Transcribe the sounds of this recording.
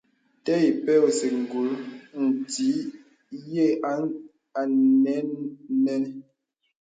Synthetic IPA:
tɛ˦i˨pɛ˦wse˨ŋ̩˨ɡu˨ln̩˨ti˨˦ | je˦˨˦ | a˨nɛ˦nnɛ˦n˦

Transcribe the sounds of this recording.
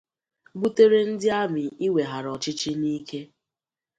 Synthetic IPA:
ɡ͡bu˦te˦ɾe˦n̩˦dɪ˦a˦mɪ˨i˦we˨ɦa˨ɾɔ˨t͡ʃɪ˦t͡ʃi˦niː˦ke˦

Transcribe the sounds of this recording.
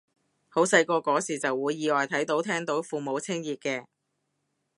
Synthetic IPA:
ho˨˥wsɐ˧jkɔː˧kɔː˨˥siː˨t͡sɐ˨wːuː˨˧jːiː˨˧lɔː˨jt̪ʰɐ˨˥jt̪o˨˥wt̪ʰɛː˥ŋt̪o˨˧˥wfuː˨mo˨˧wt͡sʰɪ˥ŋjiː˨t̚kɛː˧

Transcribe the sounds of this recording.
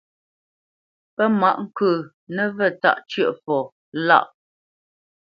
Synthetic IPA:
pə˦ma˦˨ʔŋ̩˦kʉ˨ | nə˦˨və˦˨ta̰˦ʔt͡ʃɥə˦˨ʔfɔ˨ | la̰˦˨ʔ

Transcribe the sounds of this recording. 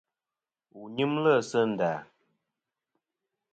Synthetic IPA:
u˨ɲi˦mlə˦˨sə˦n̩˨da˨

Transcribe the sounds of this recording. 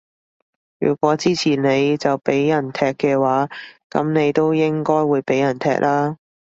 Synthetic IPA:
jy̰ː˨˩kʷɔː˨˥t͡siː˥t͡sʰiː˨˩nne˨˧jt͡sɐ˨wpe˨˥jːɐ˨˩nt̪ʰɛː˧kːɛː˧waː˨˥kɐ˨˥mne˨˧jt̪o˥wjɪ˥ŋkɔː˥jwuː˨˧jpe˨˥jɐ˨˩nt̪ʰɛ̰ː˧˥k̚laː˥

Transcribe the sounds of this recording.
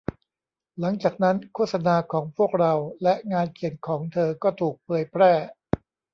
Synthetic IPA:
la˩˦ŋt͡ɕaː˨˩k̚na˦˥nkʰuː˥˩t̪̚sa˧naː˧kʰɔː˩˦ŋpʰu˥˩ək̚ɾa˧wlɛ˦˥ʔŋaː˧nkʰi˨˩ənkʰɔː˩˦ŋt̪ʰɤː˧kɔː˥˩t̪ʰuː˨˩k̚pʰɤː˧jpʰɾɛː˥˩

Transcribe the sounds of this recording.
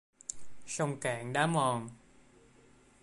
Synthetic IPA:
sa˧wŋ͡mkaː˨˩˦ŋɗaː˨˦˥mɔ˨˩n

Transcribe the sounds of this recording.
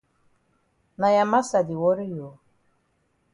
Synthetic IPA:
na˨ja˨ma˦sa˨di˨wɔ˦ɾi˦jo˨

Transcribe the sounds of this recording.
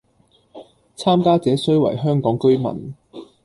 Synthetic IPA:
t͡sʰaː˥mkaː˥t͡sɛː˨˥sɵ˥ɥwɐ̰˨˩jɦœː˥ŋkɔː˨˥ŋkɵ˥ɥmɐ̰˨˩n

